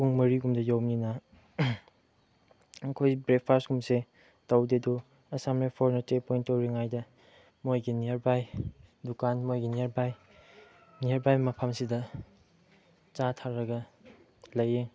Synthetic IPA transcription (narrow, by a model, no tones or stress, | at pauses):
kuŋmɐɾiɡumdɐjowninɐ | ŋkʰojbɾek̚pʰaɾsɡumse | tawdedu | ɐsamlapʰɔɾnɐtepojntːowɾiŋajdɐ | mojɡiniɾbajdukanmojɡiniɾbaj | niɐɾbajmɐpʰamsidɐ | t͡ʃatʰaɾɐɡɐ | lɐje